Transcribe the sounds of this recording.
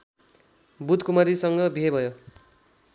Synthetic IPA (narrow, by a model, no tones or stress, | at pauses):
bud̪kumʌɾisʌŋɡʌbʱebʱʌjo